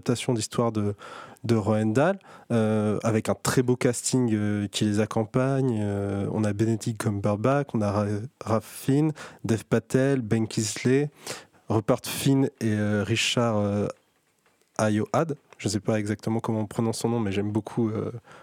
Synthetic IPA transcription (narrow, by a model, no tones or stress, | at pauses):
p̚t̪asjɔ̃d̪ist̪waʁd̪əd̪əʁɔɛnd̪aløavɛkɛ̃t̪χɛbokʲast̪ʰiŋøkʲilezakɔ̃paɲøɔ̰̃nabenet̪ikkːɔmbaʁbakɔ̃naʁʁafind̪ɛfpat̪ɛlbɛ̃nkʲʰizle | ʁəpaʁt̪fineøʁiʃaʁø | ajoʔad̪ʒ̥əns̬ɛpaɛɡzak̚t̪əmɑ̃kɔmɑ̃ɔ̃pχənɔ̃sɔ̃nɔ̃mɛʒɛmbokʰuø